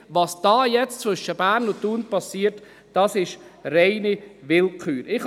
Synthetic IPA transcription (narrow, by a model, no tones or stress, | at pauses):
ʋɑsd̥ɑːjɛt͡st͡svʏʃəb̥æːɾnʊntːuːnpɑsiːəɾt | d̥ɑsɪʃreɪnivɪlkχyːɾɪχ